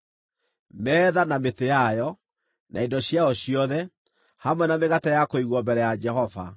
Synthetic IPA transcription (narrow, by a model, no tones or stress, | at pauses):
mɛːðanametejajɔ | nʔa̰endɔɕjaɔɕiɔðɛ | hamwɛnameɣatajakoiɣwɔmbɛɾɛjad͡ʒɛhɔva̰